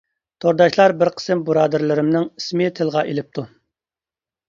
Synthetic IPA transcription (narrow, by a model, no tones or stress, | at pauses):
t̪ʰoɾd̪ɑʃlˠɑɾbɪɾqʰə̥sɪmbuɾɑːd̪ɨɾlɪɾɪmnɪŋismɪt̪ʰɨlˠʁɑʔelɪp̚t̪ʰu